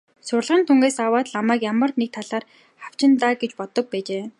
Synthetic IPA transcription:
sʊrɮʁə̆nt̪ʰuŋɡeːsawaːt̪ɮamæːkjamə̆rnek̚t̪ʰaɮaːr | χaw̥t͡ɕɪ̆nt̪aːɡet͡ɕpɔt̪ɞ̆k̚pæːt͡ɕeː

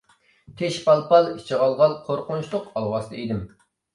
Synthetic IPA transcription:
t̪ʰeʃpɑlˠpɑlˠit͡ʃʰəʁɑlˠʁɑlˠqʰoɾqʰʊnʃlˠʊqɑlˠwɑst̪ʰɨed̪ɪm

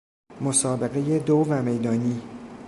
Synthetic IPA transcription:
mosɒːbe̞ɣe̞jed̪ovæme̞jd̪ɒːniː

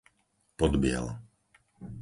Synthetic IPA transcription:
pɔd̪bɪɛ̰l

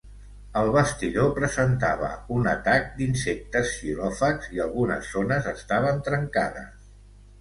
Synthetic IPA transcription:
əlˠβəst̪iðopɾəzənt̪aβ̞ə̰unə̰t̪ak̚d̪insek̚t̪əsʃilɔfəkz̥iəlˠɣunə̰zːonəzəst̪aβ̞ənt̪ɾəŋkaðə̰s

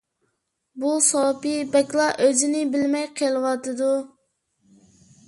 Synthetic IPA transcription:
busopibɛkʲlˠɑʔøzɪnɪbɪlmɛjqʰelˠɨwɑt̪ɨd̪u

